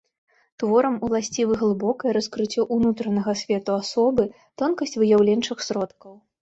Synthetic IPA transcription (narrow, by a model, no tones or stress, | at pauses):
t̪vɔɾɐmulˠasʲt͡sʲivɨɣlˠɨbɔkɐjɛɾɐskɾɨt͡sʲːɔʔunut̪ɾɐnɐɣɐsʲvʲɛt̪uasɔbɨ | t̪ɔnkɐsʲt͡sʲvɨjawlʲɛnt͡ʂɨxsɾɔt̪kɐw